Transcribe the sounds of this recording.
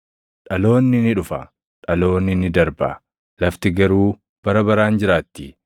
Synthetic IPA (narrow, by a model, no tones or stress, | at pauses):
ᶑɐlo̞ːnːɪnɪᶑʊfɐ̰ | ᶑɐlo̞ːnːɪnɪd̪ɐɾbɐ̰ | lɐft̪ɪɡɐɾuː | b̥ɐɾɐbɐɾaːnd͡ʒɪɾaːt̪ːɪ